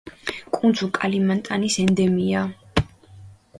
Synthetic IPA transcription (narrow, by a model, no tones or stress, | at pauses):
kʼund̪zʰʼukʼalimant̪ʼanisɛnd̪ɛmia